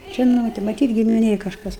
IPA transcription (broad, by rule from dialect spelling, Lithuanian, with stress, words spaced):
ˈʒʲɪnoːtʲɛ mɐˈtʲiːt ɡʲɪmʲɪˈnʲeːj kɐʃˈkɐs